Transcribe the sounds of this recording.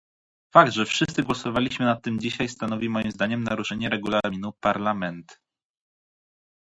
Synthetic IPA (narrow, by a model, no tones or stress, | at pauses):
faɡd̪ʐɛfʂɘst̪sɘɡwɔsɔvalʲiɕmɘnat̪ːɘmd͡ʑiɕajst̪anɔvʲimɔjimzd̪aɲɛmnaɾuʂɛɲɛɾɛɡulaminupaɾlamɛnt̪